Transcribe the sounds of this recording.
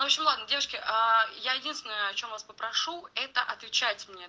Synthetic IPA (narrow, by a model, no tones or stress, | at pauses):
nʊoɕʲɪmlˠad̪nədʲevəʂkʲɪʔajajɪdʲinsʲɪnəjəɐt͡ɕo̞mvaspəpɾɐʂuɛt̪əʔɐt̪vʲɪt͡ɕatʲmnʲe